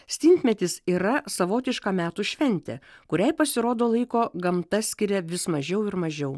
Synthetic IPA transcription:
sʲt̪ʲiːnʲt̪ʲmʲɛt̪ʲɪsiːɾɐsɐʋoːt̪ʲɪʃkɐːmʲæːt̪uːʃʲʋʲɛnʲt̪ʲɛ̰kʊɾʲɛɪpɐsʲɪɾoːd̪oːlˠɐɪkoːɡɐmt̪ɐsʲkʲɪɾʲɛʋʲɪsmɐʒʲɛʊɪɾmɐʒʲɛʊ

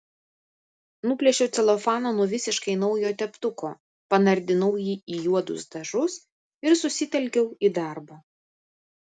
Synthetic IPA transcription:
nuːpʲlʲɛʃʲɛʊt̪sʲɛlˠɔfɑːnoːnuɔʋʲɪsʲɪʃkɐɪnɒʊjoːt̪ʲɛpt̪ʊkoː | pɐnɐɾʲd̪ʲɪnɐʊjiːiːjuɔd̪ʊ̰sd̪ɐʒʊs | ɪɾsʊsʲɪt̪ʲɛlʲkʲɛʊiːd̪ɑˑɾboː

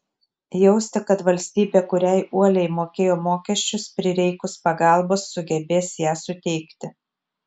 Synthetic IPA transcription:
jɛʊsʲt̪ʲɪkɐt̪ʋɐlʲsʲt̪ʲiːbʲeːkʊɾʲɛɪʔuɔlʲɛɪmoːkʲeːjoːmoːkʲɛʃʲt͡ʃʲʊspʲɾʲɪɾʲɛɪkʊspɐɡɑˑlˠboːsːʊɡʲɛbʲeːsjæːsʊt̪ʲɛɪkt̪ʲɪ

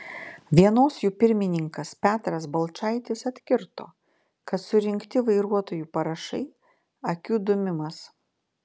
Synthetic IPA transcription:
ʋʲiɛnoːsjuːpʲɪɾʲmʲɪnʲɪŋkɐspʲæːt̪ɾɐsbɐlˠt͡ʃɑˑɪt̪ʲɪsɐt̪ʲkʲɪɾt̪o̰ː | kɐt̪sʊɾʲɪŋʲkt̪ʲɪʋɐɪɾuɔt̪oːjuːpɐɾɐʃɐ̰ɪ | ɐkʲuːd̪ʊmʲɪmɐs

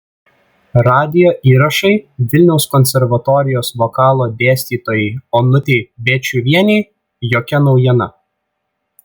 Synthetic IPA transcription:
ɾɑːd̪ʲɪjoːʔiːɾɐʃɐɪʋʲɪlʲnʲɛʊskɔnʲsʲɛɾʋɐt̪ɔːɾʲɪjoːsʋokɑːlˠoːd̪ʲeːsʲt̪ʲiːt̪oːjɛɪoːnʊt̪ʲebʲeːt͡ʃʲuʋʲiɛnʲɛɪ | joːkʲɛnɒʊjiɛnɐ̰

